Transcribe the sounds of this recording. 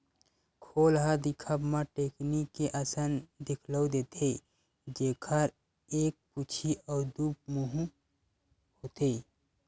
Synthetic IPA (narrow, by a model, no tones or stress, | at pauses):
kʰoːlɦəd̪ikʰəbmãʈeːknikːeʔəsənd̪ɪkʰləwd̪eːt̪ʰe | d͡ʒeːkʰəɾ | eːk̚put͡ʃʰiʔɔːɾd̪up̚muɦũ | hot̪e